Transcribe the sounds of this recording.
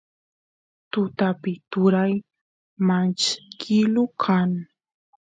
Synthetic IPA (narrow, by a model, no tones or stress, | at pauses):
t̪ʊt̪apɪt̪ʊɾaj | mant͡ʃkkɪlʊkʰaŋ